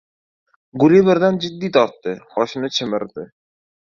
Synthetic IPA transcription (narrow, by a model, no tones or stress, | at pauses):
ɡʊɾibɪɾd̪and͡ʒɪd̪ːit̪ʰɒɾt̪ːɪχɒʃnɪt͡ʃʰɪmɪɾd̪ɪ